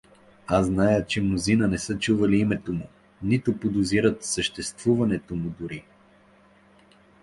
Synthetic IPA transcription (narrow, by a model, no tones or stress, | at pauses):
aznajət͡ʃɛmnʊzinənɛsət͡ʃuvɐliimɛt̪omʊ | nit̪opod̪ʊziɾət̪səʃt̪ɛst̪vuvɐnɛt̪omʊd̪ʊɾi